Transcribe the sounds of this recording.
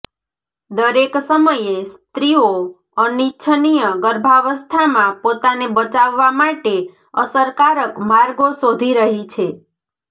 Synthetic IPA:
d̪əɾeksəməjest̪ɾio | ənitːt͡ʃʰənijəɡəɾbʱaʋəst̪ʰamãpot̪anebət͡ʃaʋːamaʈe | ə̰səɾkaɾəkmaɾɡosod̪ʱiɾəɦit͡ʃʰe

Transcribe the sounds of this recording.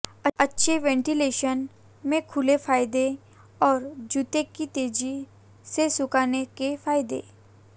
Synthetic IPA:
ɐɐtːʃʰeʋɛ̃ːɳʈileːʃən | mẽkʰʊlefʰaːjd̪e | ɔːɾd͡ʒʊt̪ekit̪eːd͡ʒi | sesʊkaːnekefʰaːjd̪ḛː

